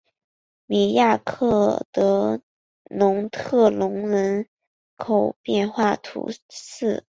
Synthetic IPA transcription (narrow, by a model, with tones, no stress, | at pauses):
mi˨˩ja˥˧kʰɤ˥˩t̪ɤ˧˥ | nʊ˧˥ŋt̪ʰɤ˥˩lʊ˧˥ŋnə˧˥n | kʰo˨˩ʊpjɛ˥˧nxwa˥˩t̪ʰṵ˧˥sɹ̩˥˩